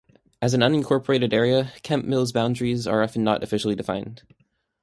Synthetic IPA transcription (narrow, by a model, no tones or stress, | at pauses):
ʔɨz̃n̩ʌ̃nɨ̃nkʰɔɹpʰə˞eɪɾɨɾɛɹiɨkʰɛ̃mʔmɪlˠzbãʊ̃ndɹizə̰˞ɑfn̩ːə̰ɾɨ̰fɪʃl̩ˠidɨfã̰ɪ̃nd̥